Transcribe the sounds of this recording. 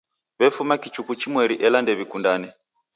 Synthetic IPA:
βɛfumakit͡ʃukut͡ʃimwɛɾiʔɛlandɛβikundanɛ

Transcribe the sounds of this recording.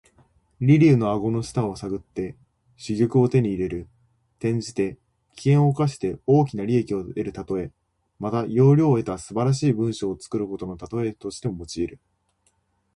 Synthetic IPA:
ɾʲiɾʲiɯ̟no̞aɡo̞no̞ɕi̥t̪ãɰ̃osaɡɯ̟t̪ːe̞ | ɕiɡʲokɯ̟o̞t̪e̞ɲ̟iːɾe̞ɾɯ̟ | t̪ẽ̞ɲ̟d͡ʑit̪e̞ | kʲi̥kẽ̞ɰ̃o̞kaɕi̥t̪e̞o̞ːk̬ʲinaɾʲie̞kʲio̞e̞ɾɯ̟t̪at̪o̞e̞ | mat̪ajo̞ːɾʲo̞ːe̞t̪asɨbaɾaɕiːbɯ̟̃ɰ̃ɕo̞ːt͡sɨ̥kɯ̟ɾɯ̟ko̞t̪o̞no̞t̪at̪o̞e̞t̪o̞ɕi̥t̪e̞momo̞t͡ɕiːɾɯ̟

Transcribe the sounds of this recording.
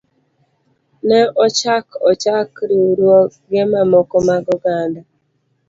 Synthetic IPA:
nɛʔɔt͡ʃakɔt͡ʃakɾiuɾwɔɡemamɔkɔmaɡɔɡanda

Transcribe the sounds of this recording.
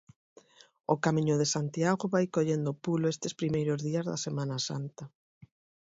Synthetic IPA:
okamĩɲʊðesant̪iaɣoβajkoʎend̪opuloest̪espɾimejɾozðiɐzða̰semanasa̰nt̪a

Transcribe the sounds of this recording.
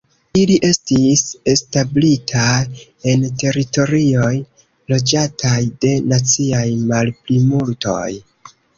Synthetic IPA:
iliʔe̞stise̞stablitʰa | e̞nte̞ɾito̞ɾio̞j | lo̞d͡ʒatʰajde̞nat͡siajmalplimulto̞̰j

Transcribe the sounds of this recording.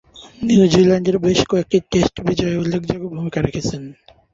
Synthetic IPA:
niud͡ʑilɛɳɖeɾbeʃkɔek̚ʈiʈesʈbid͡ʑɔeulːekʰd͡ʑaɡobʱumikaɾekʰet͡ɕʰen

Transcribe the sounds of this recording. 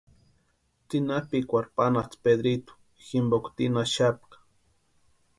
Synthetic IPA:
t͡sinapikʷaɾpanat͡sped̪ɾit̪u̥ | ximbokt̪inaʃap̚kḁ

